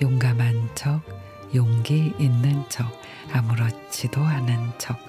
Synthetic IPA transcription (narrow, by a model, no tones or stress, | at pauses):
joŋɡamant͡ɕʰʌk̚ | joŋɡeinːɯnt͡ɕʰʌk̚ | amuɾʌ | t͡ɕʰidoanɯnt͡ɕʰʌk̚